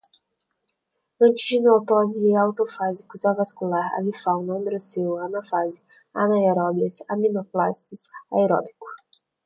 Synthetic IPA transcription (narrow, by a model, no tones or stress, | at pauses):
ɐ̃nt͡ʃɪzd͡ʒɪnot̪ɔziɪawt̪ofazikʊzavaskulaɾa̰vifaw̃nɐ̃d̪ɾosewanafazɪ | a̰naeɾɔbiɐsamĩnoplast̪ʊsaeɾɔ̰bikʊ̥